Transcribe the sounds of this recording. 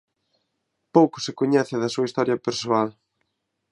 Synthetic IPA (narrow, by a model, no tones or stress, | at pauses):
powkʊ̥sɪkoɲɛθɪðɐsuɐist̪ɔɾjɐpeɾsoal